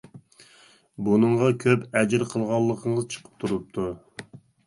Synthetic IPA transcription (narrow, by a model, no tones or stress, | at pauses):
bunɨɴʁɑkʲʰøpʰɛd͡ʒɾqʰəlˠʁɑlˠːəqʰəɴəzt͡ʃʰə̥qʰə̥p̚t̪ʰuɾup̚t̪ʰu